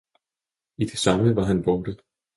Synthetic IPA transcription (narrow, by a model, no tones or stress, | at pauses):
id̥e̝sɑ̈məʋɑ̈ɦænb̥ɒːɾ̥ə